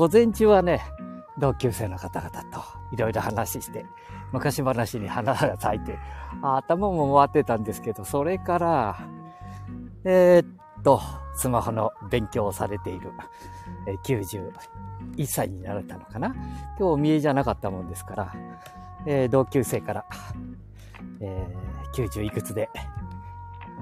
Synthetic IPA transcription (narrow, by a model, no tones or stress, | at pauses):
ɡo̞zẽ̞ɲt͡ɕɨβane̞d̪o̞ːkʲɨːse̞ːno̞kat̪aɡat̪ḁt̪o̞̥iɾo̞iɾo̞hanaɕiɕi̥t̪e̞ | mɯ̟kaɕibanaɕiɲ̟ihanasaɡat͡sait̪eaːt̪ːamamomoβat̪ːe̞t̪ãnd̪e̞sɨ̥ke̞d̪o̞so̞ɾe̞kaɾa | et̪ːo̞sɨmaho̞no̞bẽ̞ŋkʲo̞ːsaɾe̞t̪e̞iɾɯ̟ | eːkʲɨːʑɨː | isːaiɲ̟inaɾt̪ano̞kanakʲo̞ːmʲie̞ʑanakat̪ːamõ̞nd̪e̞sɨ̥kaɾa̰ | eːd̪o̞ːkʲɨːse̞ːkaɾa | eːkʲɨːʑɨːikɯ̟t͡sɨd̪e̞